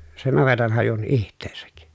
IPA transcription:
sen nɑʋetɑnhɑjun ihtˑeːsæk

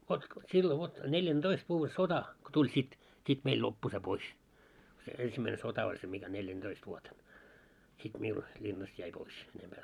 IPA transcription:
ʋot silːo ʋot neljænd̥oist ʋuːʋːe sotɑ ko tulʲ sit sit meil lopːu se pois se ensimːæine sotɑ olʲ se mikæ neljænd̥oist ʋuoten sit miul lʲinːɑst jæi pois enempæː

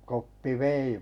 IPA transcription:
kopːi ʋei

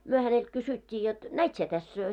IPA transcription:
myø hænelt kysytʲːiː jot næit sie tæs

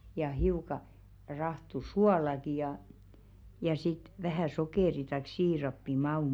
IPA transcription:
jɑ hiukɑ rɑhtu suɑlɑki jɑ jɑ sit ʋæhæˑ sokeˑri tɑik siːrɑpːi mɑuˑm̥

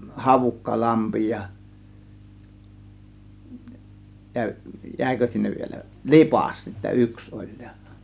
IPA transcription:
hɑʋukːɑlɑmpi jɑ jæ jæˑikø sinːeʋ ʋielæ lipɑˑs sitːæ yks olʲ j̊ɑ̥

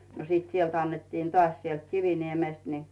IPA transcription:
no siːt sielt ɑnːetːin tŏɑˑsʲ sielt kiʋiniemeˑst ni

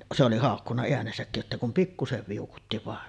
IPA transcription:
se oli hɑˑokːunːɑ eænesækːij jotːeˑi kum pikːuseʋ ʋiukutːi ʋɑˑen

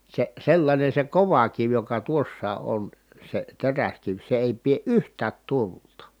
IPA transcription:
se selːɑnʲen̞ se koʋɑ kiʋ jokɑ tuosːɑː ʔon se teræskiʋ se eˑi pie ʔyhtˑæːt tultɑ

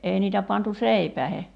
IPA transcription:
ʔeˑi niːtæ pɑntu seipæehe

